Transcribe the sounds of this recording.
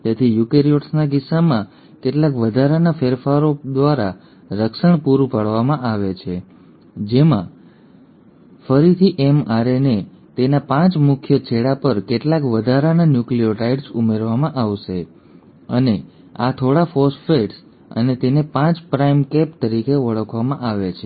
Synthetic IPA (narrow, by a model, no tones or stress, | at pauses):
t̪et̪ʰijukeɾioʈsnaɡisamã | keʈlakʋəd̪ʱaɾanafeɾfaɾod̪ʋaɾa̰ | ɾəkʃəɳpuɾupəɭʋamãʔaʋet͡ʃʰe | d͡ʒemã̰ | fəɾit̪ʰiʔemaɾene | t̪enapãt͡ʃmʊkʰjət͡ʃʰeɽapəɾkeʈlakʋəd̪ʱaɾananjuklioʈaiɖsumeɾʋamãʔaʋʃe | ə̰ne | a̰t̪ʰoɽafɔsʈfeʈs | ə̰net̪enepãt͡ʃpɾaimkep̚t̪əɾikeʋəɭəkʰʋamãʔaʋet͡ʃʰe